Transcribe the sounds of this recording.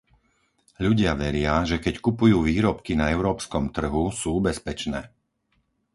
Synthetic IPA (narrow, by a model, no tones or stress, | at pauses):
ʎuɟɪaʋɛɾɪaʒɛkɛckupujuːʋiːɾɔpkinaɛʊɾɔːpskɔmt̪r̩ɦusuːubɛspɛt͡ʃnɛː